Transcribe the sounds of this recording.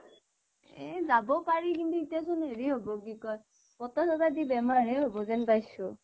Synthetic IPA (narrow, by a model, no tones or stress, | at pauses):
ɛzabɔpaɹikintuitijasɔnɦeɹiɦobɔɡikɔj | pɔtɔsɔtadibɛmaɹɦɛɦobɔzɛnpajsʊ